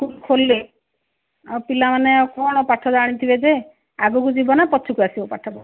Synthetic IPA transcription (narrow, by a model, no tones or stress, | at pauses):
kulkʰolːe | awpilamaneɔkɔɽ̃ɔpaʈʰɔd͡ʒaɽ̃it̪ʰibed͡ʒe | aɡukud͡ʒibɔnapɔt͡ʃʰukuasibɔpa̰ʈʰɔbɔ